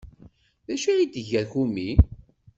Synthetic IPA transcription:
ðæʃiid̪əʝæɾçumi

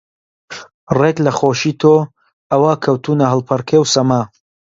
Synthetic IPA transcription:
reklɐχoːʃiːt̪ʰoː | ɐwaːkʰɐwt̪ʰuːnɐɦəlˠpʰɐɾkʰewsɐmaː

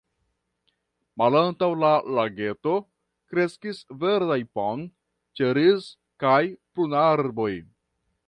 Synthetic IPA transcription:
malantawlalaɡe̞to̞ | kɾe̞skisve̞ɾdajpon | t͡ʃeɾiz | kajplunaɾbo̞j

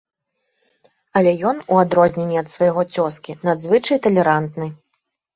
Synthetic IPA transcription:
ɐlʲɛjɔnuad̪ɾɔzʲnʲenʲːiɐt̪svajɣɔt͡sʲɔskʲinad̪zvɨt͡ʂɐjt̪ɐlʲɛɾant̪nɨ

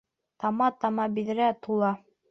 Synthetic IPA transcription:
t̪ɑmɑt̪ɑmɑbiðɘ̆ɾæt̪ulˠɑ

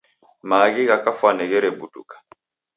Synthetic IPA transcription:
maːɡiɣakafanɛɡɛɾɛbudukḁ

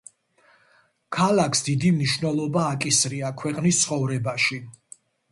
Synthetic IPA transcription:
kʰalakʰsd̪id̪imniʃvnɛlˠɔbaːkʼisɾiakʰwɛqʼnist̪sʰχɔvɾɛbaʃi

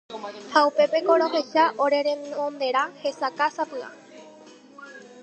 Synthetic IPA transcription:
haupe̞pe̞ko̞ɾo̞ɦe̞ʃaʔo̞ɾe̞ɾemõnd̪e̞ɾãhe̞sakasapɨa̰

